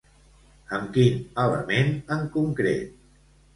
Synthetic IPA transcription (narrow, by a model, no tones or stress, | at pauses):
əmkinələ̰menəŋkuŋkɾḛt̪̚